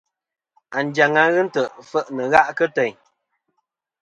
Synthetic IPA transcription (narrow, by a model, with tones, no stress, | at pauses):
a˨n˨d͡ʒa˨ŋa˨ɣɨ˦n̩˦tə˨ʔfə˦˨ʔnə˨ɣa˦ʔkə˦tɛ˨ɲ